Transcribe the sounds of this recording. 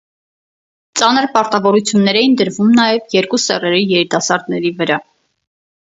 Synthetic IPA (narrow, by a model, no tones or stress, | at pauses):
t͡sɑnəɾpɑɾt̪ɑvɔɾut͡sʰjunːɛɾɛjind̪əɾvumnɑjɛvjɛɾkusɛrɛɾijɛɾit̪ɑsɑɾd̪nɛɾivəɾɑ